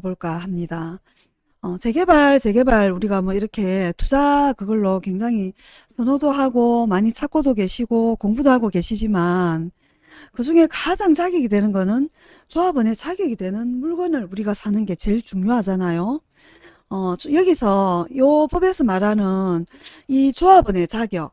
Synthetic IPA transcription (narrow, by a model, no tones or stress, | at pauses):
boɭk͈ahamɲida | ʌt͡ɕe̞ɡe̞baɭt͡ɕe̞ɡe̞baɾuɾiɡamwʌiɾʌkʰe̞tud͡ʑakɯɡʌɭːokwe̞ŋd͡ʑaŋɦisʰʌnodoɦaɡomaɲit͡ɕʰak͈odoke̞ɕʰiɡokoŋbudoɦaɡoke̞ɕʰid͡ʑiman | kɯd͡ʑuŋe̞kad͡ʑaŋt͡ɕʰaɡiɡidwe̞nɯnɡʌnɯn | t͡ɕoabɯne̞t͡ɕʰaɡiɡidwe̞nɯnmuɭɡʌnɯɭuɾiɡasʰanɯnɡe̞t͡ɕe̞ɭt͡ɕuŋɲoɦad͡ʑanajo | ʌt͡ɕjʌɡisʰʌjopobesʰʌmaɾɦanɯnit͡ɕoabʌne̞t͡ɕaɡjʌ